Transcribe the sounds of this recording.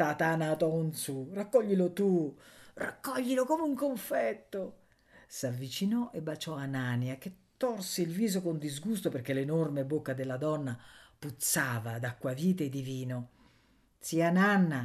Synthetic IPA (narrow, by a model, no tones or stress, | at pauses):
t̪at̪anat̪ɔnsurakːɔʎːilot̪ura̰kːɔʎːilokoːmeuŋkoɱfɛt̪ːo | savːit͡ʃinɔʔebːat͡ʃɔananjak̟et̪ːɔrseilviːzokond̪izɡust̪operkelenormebokːad̪elːad̪ɔnːaput̪saːvad̪akːwaviːt̪̬eed̪iviːno | t̪siananːa